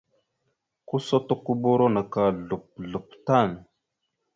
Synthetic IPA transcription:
ku˦so˦to˦ku˦bo˦ɾo˦na˨ka˨ɮu˨p̚ɮu˨p̚ta˦˨n

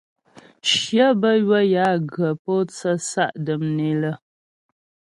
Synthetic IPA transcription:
ʃjə˦bə˦ɥwə˦ja˨˦ɡə˨po˦t͡sə˦sa˦ʔdə˨mne˨lə˦

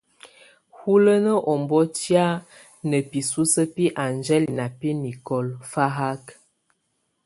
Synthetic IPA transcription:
hu˦lə˦nə˦ʔɔ˨mbɔ˦tja˦ | nə˨pi˨su˦sə˦pi˦ʔa˨nd͡ʒɛ˦li˨na˨pi˦ni˨kɔ˨lfa˦ɦa˦k

